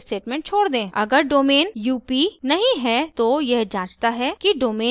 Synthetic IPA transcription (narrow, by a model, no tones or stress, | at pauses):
sʈeːʈmẽːɳʈ̚t͡ʃʰoːɽd̪ẽːɐ̰ɡəɾɖoːmeːnjuːpinɐɦĩɦɛt̪ojɛɦd͡ʒãːt͡ʃt̪aɦɛkiɖoːmeː